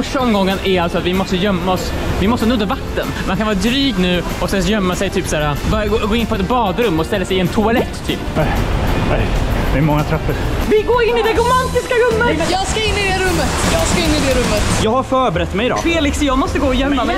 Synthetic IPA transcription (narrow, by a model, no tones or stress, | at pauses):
fœʂʈaɔmɡɔŋːənæɾalsɔat̪vɪmɔst̪əjœmːaɔs | vɪmɔst̪ənɵd̪ːavat̪ːə̰nmankʰanvɑːɾad̪ɾyːɡnʉ̟ː | ɔsɛnsjœmːasɛjt̪ʰyːpsæːɾabɑːɾaɡoːɡoːɪnpʰɔɛt̪bɑːd̪ɾɵmːɔst̪ɛlːasɛɪɛnt̪ʰʊalɛt̪ʰːy̰ːpɛɛ̰jd̪ɛæmɔŋːat̪ʰɾœpːəɾvɪɡoːɾɪnːɪd̪ɛɡʊmant̪ɪskaɾɵmːəjɑːɡskaɪnːɪd̪ɛɾɵmːət̪jɑːɡskaɪnːɪd̪ɛɾɵmːət̪jɑːɡhaɾfœːɾbɛɾɛt̪ːmɛjɪd̪̰ːfeːlɪksjɑːɡmɔst̪əɡoːɔjœmːamɛ